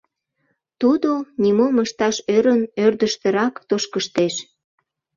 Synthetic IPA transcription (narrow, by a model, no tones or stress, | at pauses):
t̪ud̪onimoməʃt̪ɑʃøɾənørd̪əʃt̪ə̆ɾɑkt̪oʃkəʃt̪eʃ